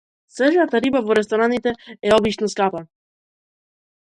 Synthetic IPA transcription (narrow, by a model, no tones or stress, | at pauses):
sɛʒat̪aɾibavɔɾɛst̪ɔɾanit̪ɛɛɔbit͡ʃnɔskapa